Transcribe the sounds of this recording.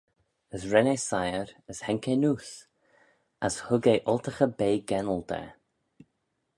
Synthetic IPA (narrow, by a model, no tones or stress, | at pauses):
əsɹɛnesajəɹəshɛŋkenuːs | ashʊɡeːʔʊlt̪əxəbeːɡɛnəld̪ʰə̰